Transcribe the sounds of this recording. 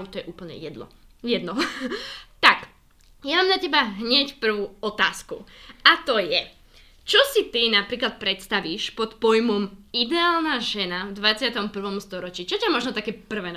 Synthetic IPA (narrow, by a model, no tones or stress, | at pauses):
t̪ɔjɛʔuːpl̩ɲɛ̰jɛd̪nɔ̰ | jɛd̪nɔ | t̪ak | jamamnacɛbaɦɲɛcpr̩ʋuɔt̪aːskṵat̪ɔjɛ | t͡ʃɔsit̪inapɾiːklat̪̚pɾɛt̪st̪aʋiːʃpɔt̪pɔjmɔmid̪ɛaːlnaʒɛnavd̪ʋat͡sɪat̪ɔmpr̩ʋɔmst̪ɔɾɔt͡ʃiːt͡ʃɔcamɔʒnɔt̪akɛːpr̩ʋɛːn